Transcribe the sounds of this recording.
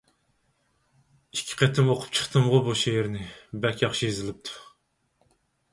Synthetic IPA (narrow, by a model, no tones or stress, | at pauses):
ikʲʰːɪ̥qʰɛt̪ʰɪmoqʰʊ̥p̚t͡ʃʰə̥χt̪ʰɨmʁʊbuʃeɦɪɾnɪbɛkʲjɑχʃijezɪlɪp̚t̪ʰu̥